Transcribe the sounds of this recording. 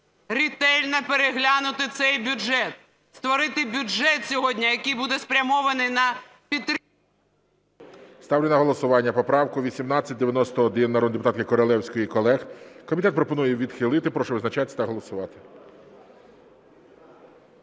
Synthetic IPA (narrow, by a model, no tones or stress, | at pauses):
ɾʲit̪ɛlʲnɐpeɾeɦlʲanʊt̪ɪt̪sɛjbʲʊd͡ʒɛt̪ | st̪ʋɔɾɪt̪ɪbʲʊʒɛt̪sʲɔɦɔdʲnʲɐjɐkɪjbud̪ɛspɾʲɐmɔʋɐnɪjnɐ | pʲit̪ | st̪ɑwlʲɪnɐɦɔlˠɔsʊʋɑnʲːɐpɔpɾɑwkʊʋʲisʲimnɑt͡sʲːɐt̚ʲd̪eʋʲjɐnɔst̪ɔɔd̪ɪnːɐɾɔd̪nd̪epʊt̪ɑt̪kɪkɔɾɔlˠɛwsʲkɔjikɔlˠɛxkɔmʲit̪ɛt̪̚pɾɔpɔnujɛʋʲid̪xɪlˠɪt̪ɪpɾɔʃɛʋɪznɐt͡ʃɑt̪ʲt̪ɐɦɔlˠɔsʊʋɑt̪ɪ̥